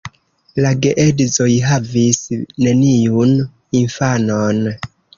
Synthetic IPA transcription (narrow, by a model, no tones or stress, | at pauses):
laɡeʔedzo̞jɦavisne̞nijun | infanon